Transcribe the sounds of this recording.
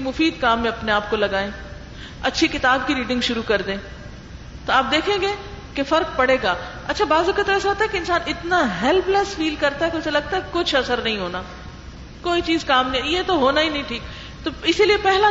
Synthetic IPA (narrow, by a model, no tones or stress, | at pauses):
imʊfiːd̪kaːmːẽɐpneaːp̚kolɐɡaːẽː | ɐtːʃʰekɪt̪aːbkiɾiːɖɪ̃ŋɡʃʊɾukɐɾd̪ẽː | t̪oaːp̚d̪eːkʰẽːŋɡeːkefɐɾk̚pɐɽeːɡaː | ɐtːʃʰabaːzʊkət̪ɛsaɦoːt̪aɦɛkeɪnsaːnɪt̪naɦɛlplesfiːlkɐɾt̪aɦɛkeʊselɐɡ̚t̪aɦɛkekʊt͡ʃʰɐsəɾnɐɦĩɦoːnaː | koːit͡ʃiːzkaːmnɐĩjet̪oɦoːnaɦinɐɦĩʈʰiːk | t̪oɪsiliepɛɦla